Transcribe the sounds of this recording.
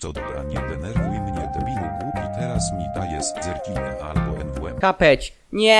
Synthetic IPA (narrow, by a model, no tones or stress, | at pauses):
sɔd̪ɔbɾa̰ɲɛɡɛnɛɾvujmɲɛd̪ɔmʲinuɡɾupʲit̪ɛɾasmʲid̪ajɛst̪zɛɾɡʲinɛʔa̰lbɔʔɛnvuɛmkapɛt͡ɕ | ɲɛ